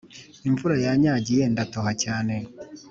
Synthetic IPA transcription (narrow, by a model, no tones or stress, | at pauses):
iɱvuɾajaɲaɟijendatoɦacaːne̞